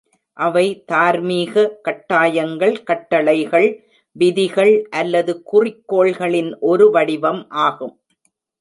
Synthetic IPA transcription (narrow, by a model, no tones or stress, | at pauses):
ʔɐʋɐɪt̪aːɾmiːɣɐkɐʈːaːjɐŋɡɐɭkɐʈːɐɭɐɪɣɐɭ | ʋɪðɪɣɐɭʔɐlːɐðɯkʊrɪkːoːɭɣɐɭɪnʔɔɾɯʋɐɽɪʋɐmʔaːɣɯm